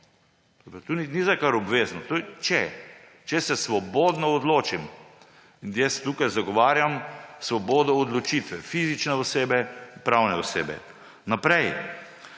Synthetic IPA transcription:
opɾat̪oninizajkaɾɔbʋeːznɔt̪ot͡ʃɛ | t͡ʃɛsɛsʋɔbod̪nɔɔd̪loːt͡ʃim | injɛst̪uːkajzaɡɔʋaːɾjamsʋɔboːd̪ɔːd̪lɔt͡ʃit̪ʋɛfizit͡ʃnɛɔseːbɛnpɾawnɛɔsḛːbɛ̰ | napɾɛj

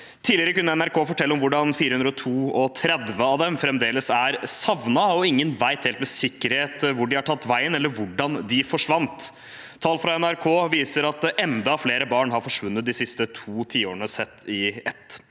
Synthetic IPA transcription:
t̪ʰiːlɪəɾəkʉnːəɛnæɾkʰoːfɔʈʰɛlːəɔmʋʊɖɑnfiːɾəhʉnɾɔt̪ʰuːɔt̪ʰɾɛd̪ʋəɑd̪ɛmfɾɛmd̪eːləsæɾsɑʋnɑɔɪŋːənʋæɪt̪heːlt̪mɛsɪkːəɾheːt̪ʋʊɖɪhɑʈʰɑt̪ːʋæɪənɛlːəɾʋʊɖɑnd̪ɪfɔʂʋɑnt̪ʰː | ɑːlfɾɑɛnæɾkʰoːʋiːsəɾɑt̪̚ʔɛnd̪ɑːfleːɾəbɑːɳɦɑɾfɔʂʋʉnːət̪̚d̪ɪsɪst̪ət̪ʰuːt̪ʰiːoːɳəsɛt̪ːɪɛt̪ː

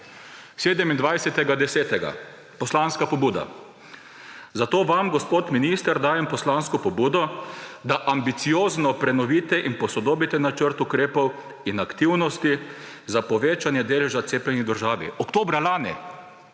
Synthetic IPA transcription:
seːd̪ɛmind̪ʋajsɛt̪ɛɡad̪ɛsɛːt̪ɛɡa̰ | pɔslanskapɔbuːd̪a̰ | zat̪oːʋamɡɔspoːt̪minist̪əɾd̪aːjɛmpɔslanskɔpɔbuːd̪ɔd̪aʔambit̪sioːznɔpɾɛnɔʋiːt̪ɛʔinpɔsɔd̪oːbit̪ɛnat͡ʃəɾt̪ʊkɾeːpɔw | inakt̪iwnɔst̪i | zapɔʋeːt͡ʃanjɛd̪eːlɛʒatseːplɛnid̪əɾʒaːʋḭɔkt̪oːbɾalaːnḭ

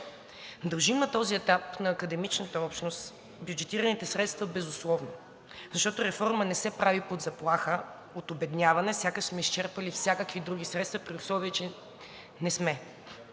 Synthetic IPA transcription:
d̪ɐlˠʒimnɐt̪ɔziɛt̪apnɐːkəd̪ɛmit͡ʃnət̪əɔpʃnost̪ | bjud͡ʒɛt̪iɾənit̪ɛsɾɛt̪st̪vəbɛzʊslˠɔvno | zɐʃt̪ɔt̪ʊɾɛfɔɾmənɛsɛpɾavipod̪zɐplˠaxə | ot̪obɛd̪nʲjavɐnɛfsʲjakəʃsmɛist͡ʃɛɾpəlifsʲakəkvid̪ɾuɡ̟isɾɛt̪st̪vəpɾiʊslˠɔviɛt͡ʃɛ | nɛsmɛ

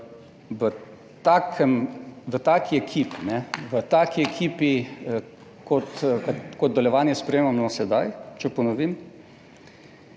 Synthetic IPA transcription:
ʋə | t̪akʰɛmʋət̪aːkʰiɛkʰiːpinɛʋət̪aːkiɛkʰiːpi | kɔt̪kakɔd̪d̪ɔljɛʋaːnjɛspɾɛjeːmamnɔsɛd̪ajt͡ʃɛpɔnɔʋiːm

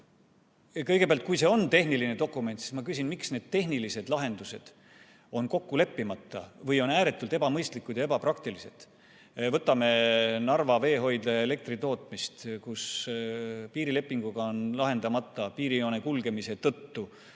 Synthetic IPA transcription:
kɤjɡ̥epeælt̪̚kujse̞o̞nt̪e̞hnilined̪o̞kːˑume̞nt̪si̥smɑkysʲinmiksne̞ːd̪̥̚t̪eɦnilise̞d̪̥lɑɦe̞nd̪̥use̞d̪̥ | o̞nko̞kːule̞pːimɑt̪ˑːɑ̰vɤjo̞næːɾe̞t̪ːˑult̪e̞bɑmɤjst̪likːˑud̪jɑe̞bɑpɾɑk̚t̪ilise̞t̪ | vɤt̪ːˑɑme̞nɑrvɑve̞ːɦo̞jd̪̥ɑele̞k̚t̪rit̪o̞ːt̪ˑmist̪kus | piːɾile̞pːˑiŋɡ̥uɡ̥ɑonlɑɦe̞nd̪ɑmɑt̪ˑːɑpiːɾioːnekulɡe̞mise̞t̪ɤt̪ːu

